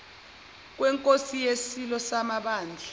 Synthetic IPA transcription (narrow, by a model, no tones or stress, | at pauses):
k̬wɛŋkʼosijesilɔsamaɓaːnd͡ɮʱa